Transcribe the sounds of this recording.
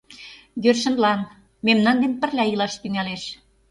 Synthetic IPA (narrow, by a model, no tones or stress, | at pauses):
jørʃə̆nlɑn | memnɑnd̪enpɘ̆rlʲæjilɑʃt̪yŋæleʃ